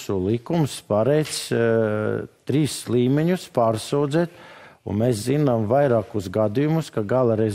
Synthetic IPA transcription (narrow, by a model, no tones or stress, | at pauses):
sulˠikumspaɾɛjt̪s | t̪ɾiːslˠiːmʲɛɲuspaːɾsuwd̪zɛːt̪ṵnmeːszinamvajɾɑːkusɡad̪ijumuskaɡalˠaɾɛz